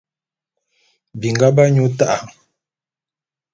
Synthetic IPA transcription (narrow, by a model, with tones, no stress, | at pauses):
bi˨ŋɡa˦ba˦ɲu˦ta˦ʔa˨